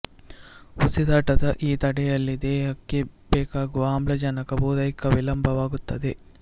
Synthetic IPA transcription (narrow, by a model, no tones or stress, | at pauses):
usid̪aːʈɐd̪ɐʔiːt̪ɐɽɛjɐlːid̪ɛːɦɐkːebɛːkaːɡuaːmlɐd͡ʒɐnɐkɐboːd̪ɐjikːɐʋilɐmbʱɐʋaːɡut̪ːɐd̪e